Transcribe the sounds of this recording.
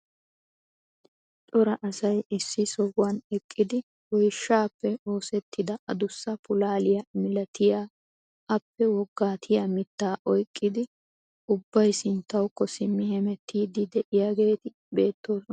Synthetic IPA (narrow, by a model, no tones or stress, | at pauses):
t͡ʃʼɔɾɐʔɐsɐjɪsːɪsɔɡʊwɐnɛkʼːɪd̪ɪ | wɔjʃːaːpːɛo̞ːsɛt̪ːɪd̪ɐʔɐd̪ʊsːɐpʊlaːlɪjɐmɪlɐt̪ʰɪjaː | ɐpːɛwɔɡːaːt̪ʰɪjamɪt̪ːaːʔɔjkʼːɪd̪ɪ | ʊbːɐjsɪnt̪ːɐwkːɔsɪmːɪhɛmɛt̪ʰːiːd̪ɪd̪ɛʔɪjaːɡe̞ːt̪ɪ | be̞ːt̪ʰːo̞ːsɔnɐ